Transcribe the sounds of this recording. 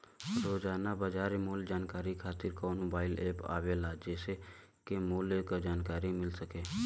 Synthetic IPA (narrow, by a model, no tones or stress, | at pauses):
ɾoːd͡ʒaːnabad͡ʒaːɾemoːld͡ʒaːnkaːɾikʰaːt̪ɪɾkoːnmoːbaːɪleːpa̰ːʋelaːd͡ʒeːse | kemoːleːkd͡ʒaːnkaːɾimɪlsəkeː